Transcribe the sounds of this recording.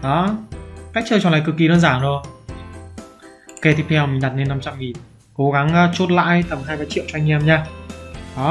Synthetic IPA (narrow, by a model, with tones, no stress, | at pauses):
ɗɔ˨˦ka˦˥k̚t͡ɕə˧jt͡ɕɔ˧˩laː˧˨˩kɨ˨˩kːi˨˩ɗəː˧nzaː˧˩nzo˨˩ | ke˧˩t̪ʰi˦˥t̪ʰɛ˧wmï˨˩ŋ̟ɗa˨˩t̚ne˧nːa˧mt͡ɕa˧mŋi˨˩n | ko˨˦ɣa˨˦ŋʔt͡ɕu˦˥t̚la̰ː˧˨jt̪ə˨˩mɦaː˧jvaː˨˦jt͡ɕḭ˧˨wt͡ɕɔ˧ha˧ŋ̟ʔɛ˧mɲaː˧ɗɔ˨˦